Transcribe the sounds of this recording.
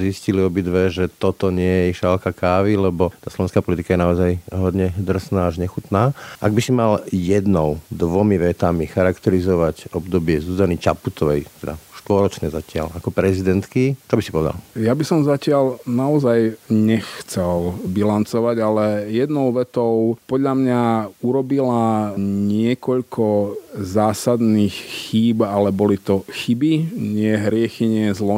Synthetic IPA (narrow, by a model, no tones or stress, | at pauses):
zisciliɔbid̪ʋɛʒɛt̪ɔt̪ɔɲɪɛjɛʃalkakaːʋilɛbɔt̪aːslɔʋɛnskapɔlit̪ikajɛnaɔzajɦɔd̪ɲɛd̪r̩snaːaʒɲɛxut̪naːʔaɡ̚bisimaljɛd̪nɔʊd̪ʋɔmiʋɛt̪amixaɾakt̪ɛɾizɔʋacɔbd̪ɔbɪɛzuzanit͡ʃaput̪ʰɔʋɛjt̪ɛd̪a̰ʃt̪ʋɔɾɔt͡ʃɲɛzacɪa̰lakɔpɾɛzid̪ɛnt̪kit͡ʃ̪ɔbisipɔʋɛd̪a̰ljabisɔmzacɪaʎnaɔzajɲɛxt͡sɛlbilant͡sɔʋaɟalɛjɛd̪nɔʊʋɛt̪ɔʊpɔd̪ʎamɲauɾɔbilaɲɪɛkɔʎkʰɔzaːsad̪nixxiːbalɛbɔlit̪ɔxibiɲɪɛɦɾɪɛxiɲɪɛzlɔ